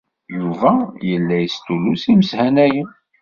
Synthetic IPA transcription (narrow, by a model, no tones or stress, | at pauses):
juvæjəlːæjəst̪ulusiməshænæjən